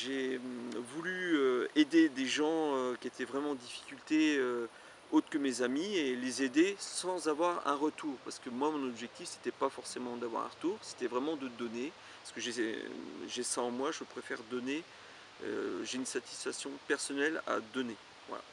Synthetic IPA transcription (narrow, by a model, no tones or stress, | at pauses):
ʒevulyøed̪ed̪eʒɑ̃økʲiet̪ʰɛvʁɛmɑ̃d̪ifi̥kʲylt̪eø | ot̪χkəmezamielezed̪esɑ̃zavwaʁɛ̰̃ʁət̪uːʁpaʁsə̥kəmwamɔ̃nɔbʒɛk̚t̪ifse̥t̪ɛpafɔʁsemɑ̃d̪avwa̰ʁɛ̰̃ʁət̪uːʁse̥t̪ɛvʁɛmɑ̃d̪əd̪ɔne | paʁsə̥kəʒɛ | ʒɛsaɑ̃mwaʒəpχefɛʁd̪ɔne | ø̰ʒeynsat̪i̥sfaksjɔ̃pɛʁsɔnɛla̰d̪ɔne | va̰la̰